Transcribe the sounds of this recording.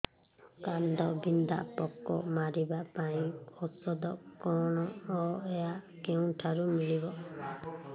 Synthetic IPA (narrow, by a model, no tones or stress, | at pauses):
kand̪ɔbind̪a̰pɔkːɔ̰maɾibapaĩɔsɔd̪ɔkɔɳ̃ɔːejakew̃ʈʰaɾumilibɔ